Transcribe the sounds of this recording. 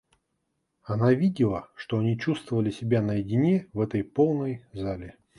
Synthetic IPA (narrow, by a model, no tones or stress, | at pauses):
ɐnavʲidʲɪlˠəʂt̪o̞ɐnʲit͡ɕust̪vəvəlʲɪsʲɪbʲanəjɪdʲɪnʲevɛt̪əjpo̞lˠnəjzalʲɪ